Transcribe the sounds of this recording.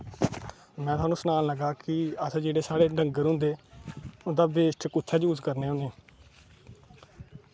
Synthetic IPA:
mɛ̃ːt̪ʊaːnũːsənaːnləɡaːkɪəsːd͡ʒeːɽeːsaːɽeːɖʱəŋɡəɾɦʊ̃nd̪eːʊnd̪aːbeːsʈʰkʊtʰːɛːd͡ʒuːzkəɾneːoneː

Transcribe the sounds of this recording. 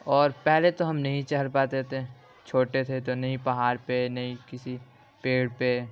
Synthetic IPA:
ɔːɾpɛɦlet̪oɦɐmnɐɦĩt͡ʃɐɦəɾpaːt̪et̪ʰe | t͡ʃʰoːʈet̪ʰet̪onɐɦĩpɐɦaːɾpenɐɦĩkɪsi | peːɽpe

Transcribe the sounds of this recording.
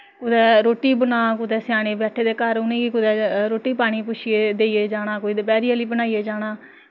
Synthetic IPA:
kʊd̪ɛːɾoːʈiːbənãːkʊd̪ɛːsɪjaːɽ̃eːbɛːʈʰːeːd̪eːkəɾʊnẽːɡiːkʊd̪ɛːɾoːʈiːpaːɽ̃iːpʊʃieːd̪eːiːeːd͡ʒaːɽaːkoːiːd̪epɛːɾiːəliːbənaːiːeːd͡ʒaːɽaː

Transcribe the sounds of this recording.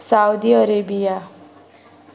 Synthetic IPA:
sawd̪iʌɾebija

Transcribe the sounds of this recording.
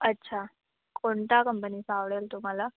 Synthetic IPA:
ətːɕʰa | koɳt̪akəmpəniːsaʋɭelt̪um̤ala

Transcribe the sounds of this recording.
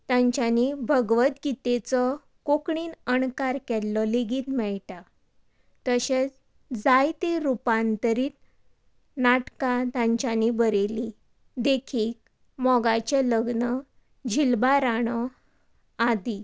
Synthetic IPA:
t̪jãɲt͡ɕjanibʱəɡʋət̪ɡit̪et͡sɔ | kokɳiːnənkaɾkɛlːɔleɡiːt̪mɛɭʈa | t̪əɕet͡s | d͡zajt̪eɾupãnt̪əɾiːt̪ | naʈkat̪ãɲt͡ɕanibəɾeli | d̪ekʰiːk̚ | mɔɡat͡ɕeləɡnə | d͡ʑʱilbaɾaɳ̃ɔ | ad̪i

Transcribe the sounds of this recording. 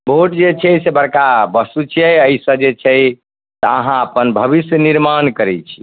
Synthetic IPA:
bʱoʈd͡ʒet͡ʃʰɛsebəɾkabəsut͡ʃʰiɛəisə̃d͡ʒet͡ʃʰɛj | t̪əəɦãəpənbʱəbisjniɾmankəɾɛt͡ʃʰi̥

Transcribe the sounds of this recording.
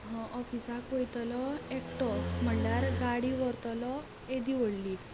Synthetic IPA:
ɦɔ̃ʔɔfisakojt̪lɔekʈɔm̤əɳljaɾɡaɽiʋɔɾt̪ɔlɔ | ed̪iʋəɽli

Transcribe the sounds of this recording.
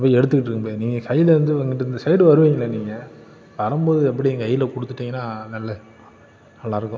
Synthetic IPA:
pːɐːɪɛɽɯt̪ːɯkːɪʈːrɾɯkːmpoːniːŋɡɐkɐjːɪlɐɾɐnd̪ɯʋɐŋɡɪʈːɯɾɯnd̪ɐsɐɪɽɯʋɐɾɯʋeːŋɡɪlːɐniːŋɡɐ | ʋɐɾɐmboːðɯɛpːɐɽiɛŋɡɐɐjːɪlɐkɔɽɯt̪ːɯʈːiːŋɡɐnːaːnɐlːɐ | nɐlːãːɪɾɯkːʊ̃

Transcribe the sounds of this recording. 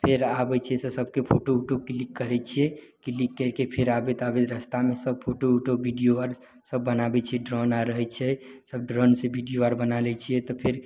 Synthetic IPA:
pʰeɾabɛt͡ʃʰɛsəsəb̚kepʰoʈouʈokilikːəɾɛt͡ʃʰiɛkilikːɛɾkepʰeɾabet̪abet̪ɾəst̪amesəb̚pʰoʈouʈobiɖijoaɾ | səbːənabɛt͡ʃʰiɛɖɾɔnaɾəɦɛt͡ʃʰɛsəbɖɾɔnsebiɖijoaɾbənalɛt͡ʃʰiɛt̪ɔpʰeɾ

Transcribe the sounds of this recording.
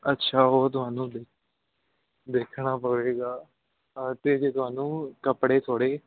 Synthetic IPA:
ətːʃʰaːɦoːt̪̬ʊɦaːnũːd̪eːk̚ʰ | d̪eːkʰɳaːpəʋeːɡaː | t̪eːd͡ʒeːt̪ʊɦaːnũːkəpɽeːt̪ʰoːɽeː

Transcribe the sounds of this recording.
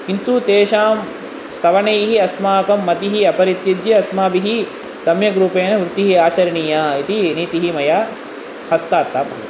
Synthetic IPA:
hint̪ut̪eːʃaːm | st̪ʰɐʋɐneːɦiɐsmaːkɐmːɐt̪iɦiɐpɐɾit̪jɐd͡ʒ̪jiɐsmaːbiɦi | sɐmjɐɡɾuːpeːnɐʋɾut̪iɦiaːt͡ʃɐɾɐɳijɐit̪iniːt̪iɦimɐjaː | hɐst̪aːt̪ːaːpɐ

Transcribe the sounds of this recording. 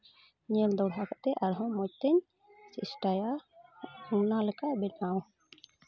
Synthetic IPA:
ɲɛld̪ɔwɽɦakaʔt̪ɛʔaɾɦɔ̃mɔc̚t̪ɛɲ | sisʈaja | uŋnalɛkaʔbɛʈnaw

